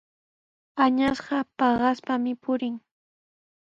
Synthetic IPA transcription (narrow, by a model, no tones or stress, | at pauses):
aɲasɢɑpɑɢɑspamɪpʊɾɪŋ